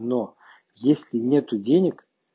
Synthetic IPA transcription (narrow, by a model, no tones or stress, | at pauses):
no | jesʲlʲɪnʲet̪ʊdʲenʲɪk